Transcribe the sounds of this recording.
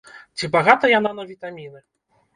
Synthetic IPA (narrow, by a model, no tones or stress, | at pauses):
t͡sʲibaɣat̪ɐjananɐvʲit̪amʲinɨ